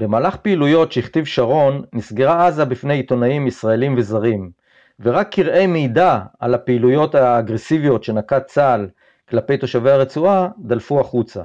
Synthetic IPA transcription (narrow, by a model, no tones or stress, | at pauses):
be̞maːlaχpeilujo̞tʃeiχt̪ivʃaʁo̞nːisɡeʁaazabifne̞jit̪o̞naimisʁae̞limve̞zaʁim | veʁakʰːiʁʔe̞jmejdaa̰lapeilujo̞taːɡʁe̞sivijo̞t̪ʃe̞nakat͡sal | klape̞jt̪o̞ʃavejaʁet͡suad̪alfuaχut͡sa̰